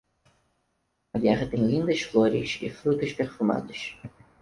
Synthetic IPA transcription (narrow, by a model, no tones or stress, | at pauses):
ɐɡɛʁɐt̪ẽj̃lĩnd̪ɐsfloɾɪ̰ʃɪ̰fɾut̪ʊʃpeɾfuma̰d̪ʊʃ